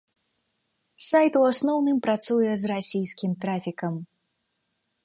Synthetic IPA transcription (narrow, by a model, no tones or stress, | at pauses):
sajt̪uasnɔwnɨmpɾat̪sujɛzrasʲijskʲimt̪ɾafʲikɐm